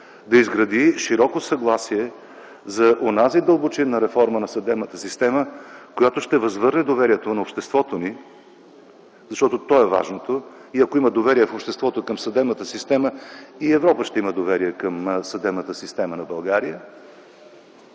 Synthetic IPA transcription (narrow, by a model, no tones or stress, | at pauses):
d̪ɐizɡɾɐd̪iʃiɾɔkosɐɡlˠasiɛ | zɐʔonazid̪əlˠbot͡ʃinːɐɾɛfɔɾmənɐsɐd̪ɛbnət̪əsist̪ɛməkojat̪oʃt̪ɛvɐzvɤɾnɛd̪ovɛɾijɛt̪onɐopʃt̪ɛst̪vɔt̪oni | zɐʃt̪ɔt̪ot̪ɔɛva̰ʒnot̪oiɐkoiməd̪ovɛɾijɛfopʃt̪ɛst̪vɔt̪okəmsɐd̪ɛbnət̪əsist̪ɛməiɛvɾɔpəʃt̪ɛiməd̪ovɛɾijɛkəmsɐd̪ɛbnət̪əsist̪ɛmənɐbɐlˠɡaɾijə